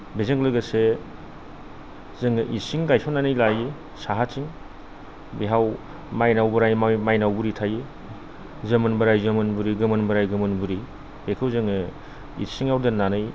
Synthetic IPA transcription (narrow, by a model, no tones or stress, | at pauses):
bezeŋlɯɡɐse | zɯŋɯʔisiŋɡajpʰananɯjlaji | saɦat͡ʃiŋ | beɦaw | majnawbɐɾajmajnawbuɾitʰaji | zɯmɯnbɐɾajzɯmɯnbuɾiɡɯmɯnbɐɾajɡɯmɯnbuɾi | ekʰɯwzɯŋɯ | ḭsiŋawdɐnanɯj